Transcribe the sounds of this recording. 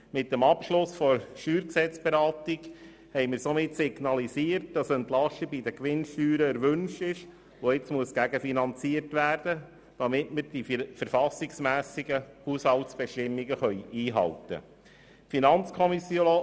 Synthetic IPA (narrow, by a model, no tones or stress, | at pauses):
mɪt̚dɛmɑpʃlʊsfɔɾʃyːɾksɛt͡sb̥ɛɾɑːt̪ɪɡ | hɛɪmɪɾsomɪtsɪɡnɑlisiːərt̚d̥ɑsɛnt̪lɑʃəbid̪əkʋɪnʃtyːɾəɛɾʋʏnʃtɪʃ | oɪt͡smuəsɡ̥æɡəfinɑnt͡siːəɾtʋæːrd̥ə | d̥ɑmɪtməɾd̥ifəɾfɑsɪksmæːsiɡəhushɑltsb̥ɛʃtɪmːiɡəχœʏiːɦɑ̰ltə̰ | finɑnt͡skʰɔmisjo